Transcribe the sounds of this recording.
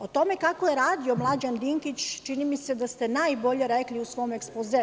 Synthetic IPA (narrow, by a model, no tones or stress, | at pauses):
o̞t̪o̞me̞kakoje̞ɾaːd̪io̞mlˠad͡ʑand̪iŋkit͡ɕt͡ʃinimise̞d̪ast̪e̞naːjbo̞ʎe̞ɾekliusʋo̞mekspoze